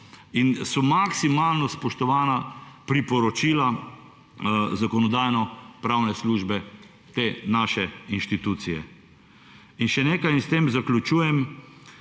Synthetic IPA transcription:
insɔmaksimaːlnɔspɔʃt̪ɔʋaːnapɾipɔɾɔt͡ʃiːla | zakɔnɔd̪aːjnɔpɾawnɛsluːʒbɛ | t̪eːnaːʃɛinʃt̪it̪uːt̪sijɛ̰ | inʃɛneːkajst̪eːmzaklʲut͡ʃuːjɛm

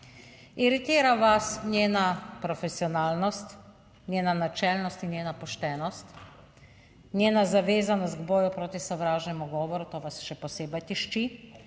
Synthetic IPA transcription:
iɾit̪iːɾaʋasnjeːnapɾɔfɛsiɔnaːlnɔst̪ | njeːnanat͡ʃɛlnɔst̪injeːnapɔʃt̪ɛːnɔst̪ | nʲjeːnazaʋeːzanɔst̪ɡbɔːjupɾoːt̪isɔʋɾaːʒnɛmuɡɔːʋɔɾut̪oːʋasʃɛpɔseːbajt̪iʃt͡ʃi

